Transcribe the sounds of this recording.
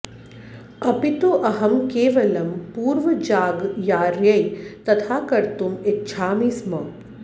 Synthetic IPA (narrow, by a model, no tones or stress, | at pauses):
ɐpit̪oʔɐɦɐmkeːʋɐlɐmpuːɾʋɐd͡ʒaːɡjaːɾjɐjt̪ɐt̪ʰaːkɐɾt̪umɪtːʃʰaːmiːsmɐ